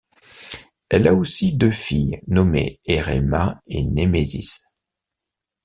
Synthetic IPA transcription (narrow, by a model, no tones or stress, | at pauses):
ɛlaosid̪øfijnɔmḛeʁɛ̰maenemezḭs